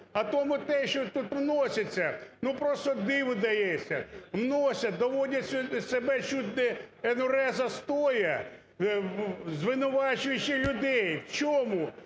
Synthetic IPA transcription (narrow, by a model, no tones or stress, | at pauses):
ɐt̪ɔmʊt̪ɛʃt͡ʃɔt̪ut̪wnɔsʲɐt͡sʲːɐnupɾɔst̪ɔd̪ɪʋʊd̪ɐjɛsʲːɐʋnɔsʲɐd̪ɔʋɔdʲɐtʲsʲʊsebɛt͡ʃut̪ʲnɛenʊɾɛzɐst̪ɔjɐ | zʋɪnʊʋɑt͡ʃʊjɪt͡ʃːɪlʲʊd̪ɛjʋt͡ʃɔmʊ